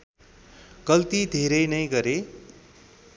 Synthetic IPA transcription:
ɡ̥ʌlt̪id̪ʱeɾʌjnʌjɡʌɾe

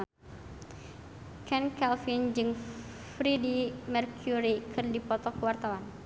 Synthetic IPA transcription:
kʰɛnkɛlfind͡ʒɨŋ | fɾidimɛrkʰjuɾikʰɨrdipɔt̪ɔkəwart̪awan

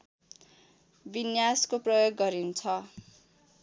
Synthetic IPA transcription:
binjaskoprʌjoɡːʌɾint͡sʰʌ

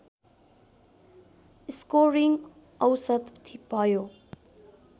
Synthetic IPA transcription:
ɪskoɾiŋɡ | ʌwsət̪t̪ʰːipajoː

